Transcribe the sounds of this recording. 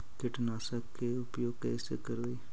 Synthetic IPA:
k̪ɪʈnaːsəkkːeʊpjoːɡ̚kɛːsekəɾoiː

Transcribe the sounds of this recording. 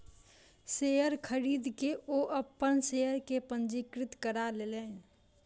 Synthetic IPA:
seəɾkʰəɾiːd̪keʔoʔəpːənsejəɾkepə̃nd͡ʒikɾɪt̪kəɾalele

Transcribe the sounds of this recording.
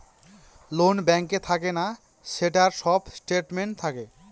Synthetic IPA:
lonbɛŋket̪ʰakena | ʃeʈaɾʃɔbsʈeʈmeɳʈt̪ʰake

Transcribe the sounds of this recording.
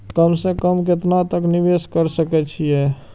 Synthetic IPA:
kəmsekəmk̬ɪt̪nat̪əknɪʋeːskəɾsəkɛt͡ʃʰiɦɛː

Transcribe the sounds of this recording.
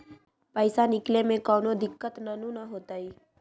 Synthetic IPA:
pəɪsanɪklemẽkɔːnod̪ɪkːət̪nanũnaɦoːt̪aːiː

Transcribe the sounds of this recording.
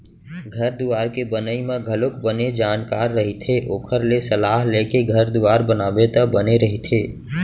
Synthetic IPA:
ɡʱəɾd̪uaːɾkebənəimẽɡʱəlokbəned͡ʒaːnkaːɾːəɦit̪ʰeʔoːkʰəɾlesəlaɦlekeɡʱəɾd̪uaːɾbənaːbet̪əbəneɾəɦit̪ʰeː

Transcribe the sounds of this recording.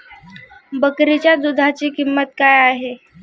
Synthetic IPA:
bəkɾet͡ɕjad̪ud̪ʱat͡ɕikimːət̪̚kajaɦe

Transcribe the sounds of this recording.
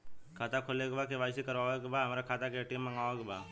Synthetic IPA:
kʰaːt̪akʰoleɡbakeʋaːjsikɐɾʋaʋekbaɦɐmɾakʰaːt̪akeʈimːəŋaʋakbaː

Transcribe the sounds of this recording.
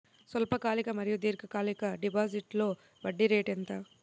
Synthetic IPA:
sɐlpɐkaːlikɐmɐɾijud̪iːɾkɐkaːlikɐɖipaːsiʈlo̞ː | bɐɖːiɾeːʈent̪ɐ

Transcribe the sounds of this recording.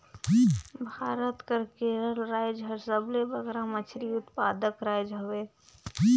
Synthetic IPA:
bʱaːɾət̪kəɾkeɾəlɾaːɪd͡ʒɦəɾsəblebəɡɾamət͡ʃʰɾiʊt̪paːd̪əkɾaːjd͡ʒɦoʋe

